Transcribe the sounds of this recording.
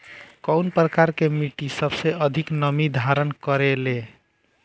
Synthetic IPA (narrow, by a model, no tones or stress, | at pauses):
kɔʊnpɾəkaɾkemiʈisəbseəd̪ʱiknəmid̪ʱaɾənkəɾele